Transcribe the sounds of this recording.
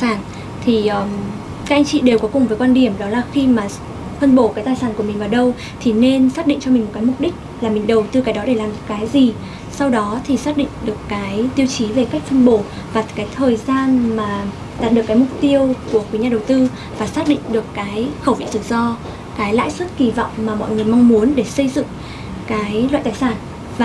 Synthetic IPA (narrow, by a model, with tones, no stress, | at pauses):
aː˧˩n | t̪ʰi˨˩ʔəː˨˩ | ka˦˥k̚ʔjŋ̟t͡ɕḭ˧˨ɗe˨˩wkɔ˨˦kʊ˨˩ŋ͡mvəː˨˦jkwaː˧nɗi˧˩əmɗɔ˨˦laː˨˩xi˧maː˨˩ | fʰə˧nɓo˧˩kaː˨˦jt̪aː˨˩jsaː˧˩nku˧˩əï˨˩ŋ̟vaː˨˩wɗə˧w | t̪ʰi˨˩ne˧nsaː˦˥k̚ɗḭ˧˨ŋt͡ɕɔ˧mi̟˨˩mo˨˩t̚kːaː˨˦jmʊ˨˩k͡p̚ɗï˦˥k̟̚laː˨˩mï˨˩ŋ̟ɗə˨˩wt̪ɨ˧kaː˨˦jɗɔ˨˦ɗe˧˩laː˨˩mɗɨ˨˩ə˩kaː˨˦jzi˨˩ | sa˧wɗɔ˨˦t̪ʰi˨˩saː˦˥t̚ɗḭ˧˨ŋ̟ɗɨ˨˩əkːaː˨˦jt̪i˧əwt͡ɕi˨˦ve˨˩ka˦˥k̚t̪ʰə˧nɓo˧˩ | vaː˨˩kaː˨˦jt̪ʰəː˨˩jzaː˧nmaː˨˩ | ɗa˨˩t̚ɗɨ˨˩əkːaː˨˦jmʊ˨˩k͡p̚t̪i˧əwku˧˩əkwi˨˦ɲaː˧ɗə˨˩wt̪ɨ˧ | vaː˨˩saː˦˥t̚ɗḭ˧˨ŋ̟ɗɨ˨˩əkːaː˨˦jxə˧˩wvḭ˧˨sɨ˨˩k̚zɔ˧ | kaː˨˦jla̰ː˧˨jsɨ˦˥k̚ki˧˩vɔ̰˧˨wŋ͡mmaː˨˩mɔ̰˧˨jŋɨ˨˩əjmɔ˧wŋ͡mmu˨˦ənɗe˧˩sə˧jzɨ̰˧˨ŋ | kaː˨˦jla̰ː˧˨t̪aː˨˩saː˧˩n | vaː˨˩